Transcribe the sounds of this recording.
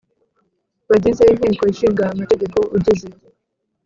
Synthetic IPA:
βaɟizein̥iːŋkoiʃiːŋɡaːmate̞ɟe̞ko̞ʔuɟizi

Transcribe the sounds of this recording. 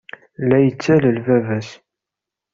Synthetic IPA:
læjət͡sːæləlvævæs

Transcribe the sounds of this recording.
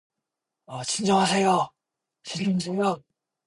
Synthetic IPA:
ʌt͡ɕind͡ʑʌŋɦasʰejo | t͡ɕiʎːinsʰejo

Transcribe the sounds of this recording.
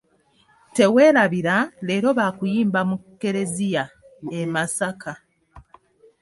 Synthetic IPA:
te̞we̞ːɾaβiɾale̞ːɾo̞βaːkujiːmbamukːe̞ɾe̞zija | emasakʰa

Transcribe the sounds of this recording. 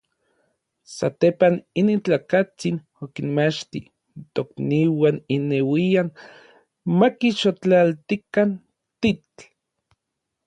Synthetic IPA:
sat̪epaninint͡ɬaːkat͡sin | okinmat͡ʃt̪i | nt̪okniwaninewian | makiʃot͡ɬalt̪ikan | t̪i

